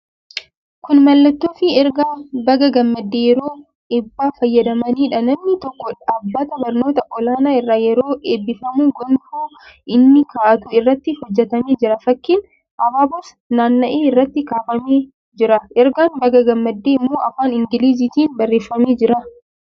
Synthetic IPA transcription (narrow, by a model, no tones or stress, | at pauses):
kʊnmɐlːɐt̪ːoːfɪɛɾɡaːbɐɡɐɡɐmːɐd̪ːeːjɛɾoː | ɪbːaːfɐjːɐd̪ɐmɐniːᶑɐnɐmnɪt̪ɔkːɔᶑaaːbːɐt̪ɐbɐɾno̞ːt̪ɐʔɔlaːnaːɪrːaːjɛɾo̞ːʔeːbːɪfɐmuːɡɔnfuː | ʔɪnːɪkaːʔɐt̪ʊɪrːɐt̪ːɪhɔd͡ʒːɛt̪ɐmeːd͡ʒɪɾɐfɐkːiːn | ʔɐbaːbɐs | naːnːɐʔeːɪrːɐt̪ːɪkaːfɐmeː | d͡ʒɪɾɐʔɛɾɡaːnbɐɡɐɡɐmːɐd̪ːeːɪmːoːɐfaːnɪŋɡɪliːz̬iːt̪iːnbɐrːeːfːɐmeːd͡ʒɪɾɐ